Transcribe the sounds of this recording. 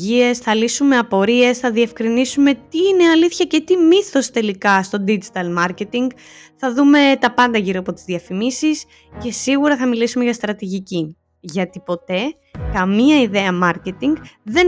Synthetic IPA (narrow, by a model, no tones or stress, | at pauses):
ie̞sθɐlisume̞ɐpo̞ɾie̞sθɐðiefkɾinisume̞t̪iine̞ɐliθçɐce̞t̪imiθo̞st̪e̞likɐst̪o̞d̪id͡ʒit̪ɐlmɐɾce̞t̪iŋɡ | θɐðume̞t̪ɐpɐnd̪ɐʝiɾoɐpo̞t̪izðiɐfimisis | ce̞siɣuɾɐθɐmilisumeʝɐst̪ɾɐt̪iʝici | ʝɐt̪ipo̞t̪e̞ | kɐmiɐiðe̞ɐmɐɾce̞t̪iŋɡðe̞